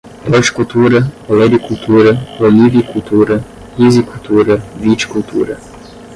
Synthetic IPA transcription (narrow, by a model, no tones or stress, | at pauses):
ɾɔt͡ʃkult̪uːɾɛolɛbikult̪ʰuːɾɛɔliʋikult̪ʰuːɾɛ | izikult̪ʰuːɾɛʋit͡ʃkult̪ʰṵːɾɛ